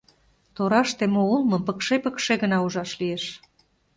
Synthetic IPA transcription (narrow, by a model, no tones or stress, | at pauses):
t̪oɾɑʃt̪emoulˠmɤ̆mpəkʃepəkʃeɣənɑuʒɑʃlieʃ